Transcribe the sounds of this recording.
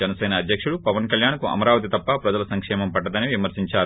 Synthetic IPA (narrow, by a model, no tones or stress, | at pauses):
ɛnɐsɛːnɐːd̪ʱjɐkʂuɽupɐʋɐnkɐljaːnkuɐ̰mɐɾaːʋɐt̪̬it̪ɐpːɐpɾɐd͡ʒɐlɐsɐŋkʂɛːmɐmpɐʈːɐd̪ɐniʋimɐɾsiɲt͡ʃaː